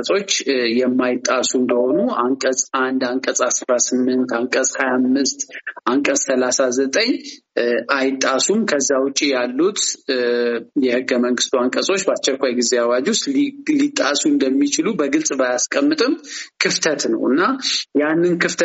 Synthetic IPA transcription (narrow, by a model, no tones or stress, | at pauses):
əsʼo̞t͡ʃːjɛmːajɪt̪ʼːasuɨnd̪əho̞nuaŋkʼəsʼand̪aŋkʼəsʼasɾasɨmːɨnt̪aŋkʼəsʼhajamːɨst̪ʔaŋkʼəsʼsəlasazət̪ʼəɲ | ʔajɪt̪ʼːasumkʰəzːawʊt͡ʃʼːijalːut̪ | jɛhɨɡːəməŋɡɨst̪ʰuaŋkʼəsʼo̞t͡ʃːbast͡ʃɛkʷːajɡize̞awad͡ʒust̪lit̪ʼːasuɨnd̪əmːit͡ʃɪlubəɡɨlsʼbajaskʼəmːɨt̪ʼɨmkʰɨft̪ʰət̪nə̰wɨnːajanːɨnkʰɨft̪ʰ